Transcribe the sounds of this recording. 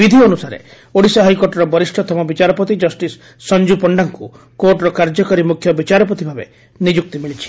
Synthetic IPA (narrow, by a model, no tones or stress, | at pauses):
bid̪ʱiɔnusaɾḛ | oɽisɔɦajkoɾʈɔɾɔbɔɾisʈʰɔt̪ʰɔmɔbit͡ʃaɾɔpɔt̪id͡ʒɔsʈisː | ɔnd͡ʒupɔɳɖaŋku | koɾʈɾɔkaɾd͡ʒɔkɔɾimukʰjɔbit͡ʃaɾɔp̬ɔt̪ibʱabḛ | nid͡ʒuk̚t̪imiɭit͡ʃʰi̥